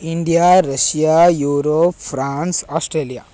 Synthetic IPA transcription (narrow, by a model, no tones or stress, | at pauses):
iɳɖijaɾɐʃjajuːɾoːpfɾaːnsaːsʈɾeːlija̰